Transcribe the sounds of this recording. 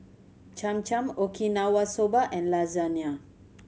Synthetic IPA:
t͡ʃãmt͡ʃãmokʰinawasobaʔɛ̃nlazania

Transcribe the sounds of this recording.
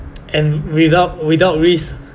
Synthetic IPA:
ʔɛ̃nwiðaʊt̚widaʊt̚ɹis

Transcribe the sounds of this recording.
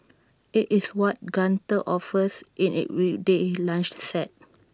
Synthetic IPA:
ʔitiswɔt̚ɡãntəʔɔfəsʔĩnḭʔɹidelãnt͡ʃsɛt̚

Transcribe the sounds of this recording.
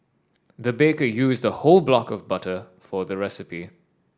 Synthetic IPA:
ðəbeɪkəjuːzdəhoʊlˠblɔkəvbʌtə | fəðəɹɛsɪpi

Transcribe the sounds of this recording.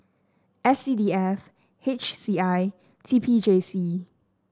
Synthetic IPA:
ʔɛsidiɛf | het͡ʃsiaɪ | tʰipʰid͡ʒesi

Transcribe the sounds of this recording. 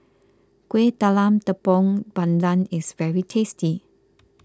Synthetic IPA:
kwet̪alãmt̪əpɔ̃ŋbãndãnɪsvɛɹitʰesti

